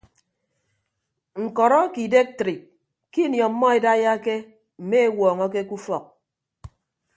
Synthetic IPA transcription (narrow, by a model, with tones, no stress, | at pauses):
ŋ̩˨kɔ˨ɾɔ˦ki˨de˦k̚tɾi˨ | ki˦njɔ˨˦mːɔ˦e˨da˦ja˦ke˦ | m̩˨me˦e˦wɔː˨ŋɔ˦k̬e˦ku˦fɔ˨k̚